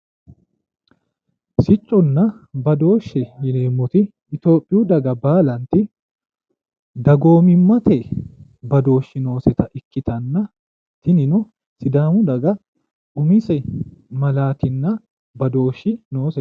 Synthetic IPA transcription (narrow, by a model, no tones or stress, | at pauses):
sɪt͡ʃʼːʊnːɐbɐd̪o̞ːʃːɛjɪneːmːʊt̪ɪː | t̪o̞ːpʼːɪjud̪ɐɡɐbaːlɐnt̪ɪ | d̪ɐɡo̞ːmɪmːɐt̪eːbɐd̪o̞ːʃːɪno̞ːsɛt̪ɐʔɪkːɪt̪ɐnːɐ | t̪ɪnɪnʊ | sɪd̪aːmʊd̪ɐɡɐ | ʔʊmɪsɛmɐlaːt̪ɪnːɐ | bɐd̪o̞ːʃːɪno̞ːsɛ